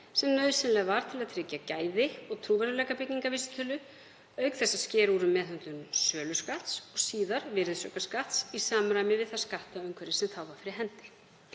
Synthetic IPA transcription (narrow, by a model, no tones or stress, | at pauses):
sɛmnœɥðsɪnlɛɣvaɾ̥t̪ʰɪlaðt̪ʰɾɪcːacaːjðɪɔɣt̪ʰɾuːvaɾʏlɛːkapɪcːiŋkavisʏ̥t̪ʰœːlʏ | œɥkθɛsːascɛːɾuɾʏmːɛːθʏnt̪ʏmsœːlʏskaht̪sɔɣsiːðaɾvɪɾðɪsœkaskaht̪sisaːmɾaːjmɪvɪðθaskaht̪aœɥŋkʰvɛɾɪsɛmt̪ʰaːwvafɪɾɪɦɛnt̪ɪ̥